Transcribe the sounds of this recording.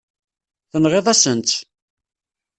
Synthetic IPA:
θənʁeðˤæsənt̪

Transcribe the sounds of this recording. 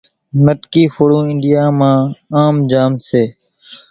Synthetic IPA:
nəʈkiːfoːɽũːɪɳɖɪjaːmãːaːmd͡ʒaːmseː

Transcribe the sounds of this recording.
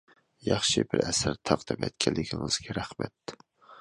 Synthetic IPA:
jɑχʃɪbɪɾɛsæɾt̪ʰɑʁd̪ɨpɛt̪̚kʲʰɛlːɪkʲʰɪŋɨz̥ɡʲɛɾæχmɛt̪

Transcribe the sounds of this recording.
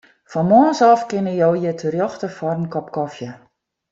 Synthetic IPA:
fɑnmɔːnsɑfkɪnəjowjətʰərjɔχtəfɔrmkɔpkɔfjə

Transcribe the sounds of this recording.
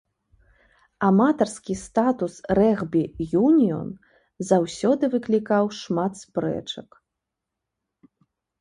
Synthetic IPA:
amat̪ɐrskʲist̪at̪usrɛɣbʲijunʲiɔ̰n | zawsʲɔd̪ɨvɨklʲikawʂmat̪spɾɛ̰t͡ʂɐk

